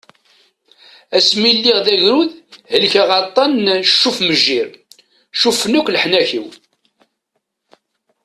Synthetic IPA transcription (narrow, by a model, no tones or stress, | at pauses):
æsmilːiʁðæʝɾuðhəlçæʁɑt̪ˤːɑnʃːufməʒːiɾ | ʃufənukʷlħnæçḭw